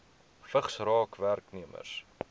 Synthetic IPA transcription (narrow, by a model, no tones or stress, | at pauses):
fəχsrɑːkværkniəmə̰rs